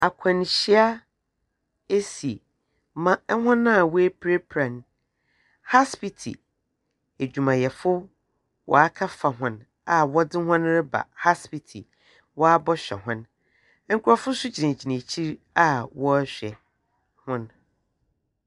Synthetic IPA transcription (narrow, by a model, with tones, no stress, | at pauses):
a˨kʷʰã˨n˨ɕi˦a˦ | e˦si˨ | mã˦ɛ˦ɦʊ̃˦nã˦˨wɔ˦e˦pʰɾe˦pʰɾã˨n | ha˦spi˨tʰḭ˨ | e˨d͡ʑᶣu˨mã˨jɛ˨fʊ˦ | wʔɔ̰˨a˦kʰa˦fa˨ɦʊ̃˦˨n | a˨wɔ˦dɪ˦hʊ̃˦n˦ɾɪ˦ba̰˨ha˦spi˨tʰḭ˨ | wɔ˦a˦bɔ˦ɕᶣɛ̰˨ɦʊ̃˦n˦ | ŋ̩˦kʰʊ˦ɾɔ˦fʊ˦sʊ˦d͡ʑʰi˨nã˨d͡ʑi˨nẽ˨t͡ɕʰi˦ɾ | a˦wɔ˦ɕᶣɛ̰˨ | hʊ̃˦n